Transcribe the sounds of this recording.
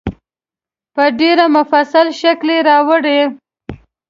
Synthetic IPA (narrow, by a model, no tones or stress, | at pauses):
pəɖeɾamʊfasalʃakleɾɑwəɽe